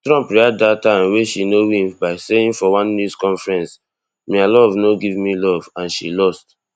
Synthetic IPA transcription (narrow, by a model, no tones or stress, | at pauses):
tɹɔ̃mpɹiaddatãmweʃinowĩmbaɪseĩnfɔwɔ̃nːjuskɔ̃nfɹɛ̃ns | mealɔvnoɡivmilɔvãnʃilɔst